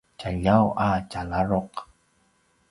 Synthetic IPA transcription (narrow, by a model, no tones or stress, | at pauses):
t͡ʃaʎawʔat͡ʃalaɾoq